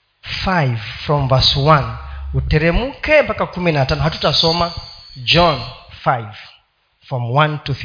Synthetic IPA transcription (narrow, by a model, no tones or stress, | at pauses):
fajvfɾɔ̃mvaswãnutɛɾɛmukɛmpakakuminatanɔɦatu̥tasɔmad͡ʒɔnfajv̥ | fɾɔmwãntuθ